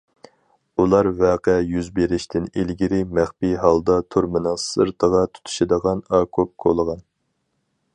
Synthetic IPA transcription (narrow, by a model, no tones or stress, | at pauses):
ulˠɑɾvɛːqɛjyzbeɾɪʃt̪ʰɪnilɡʲiɾɪmæχpiɦɑlˠd̪ɑt̪ʰuɾmɨnɑsɨɾt̪ʰəʁɑt̪ʰu̥t̪ʰu̥ʃɪd̪əʁɑnɑːkʰop̚kʰolˠəʁɑn